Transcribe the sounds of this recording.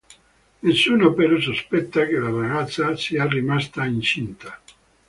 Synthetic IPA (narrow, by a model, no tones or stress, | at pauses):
nesːuːnopeɾɔs̬ospɛt̪ːakelaraɣat̪sːasiarːimast̪aint͡ʃint̪a